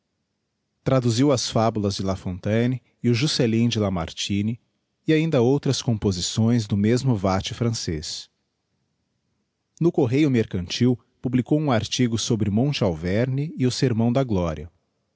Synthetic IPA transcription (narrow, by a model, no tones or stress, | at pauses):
t̪ɾad̪uziwɐsfabulɐzd͡ʒɪlafõnt̪ɐ̃nɪ | ɪʊʒuselĩd͡ʒɪlama̰ɾt͡ʃĩnɪː | aĩnd̪ɐowt̪ɾɐskõpozisõj̃zd̪ʊmezmʊvat͡ʃɪfɾɐ̃sḛs | nʊkoɦejʊmeɾkɐ̃nt͡ʃiw | publikowũaɾt͡ʃiɡʊsobɾɪmõt͡ʃɪawvɛɾnɪɪʊseɾmɐ̃w̃d̪ɐɡlɔɾiɐ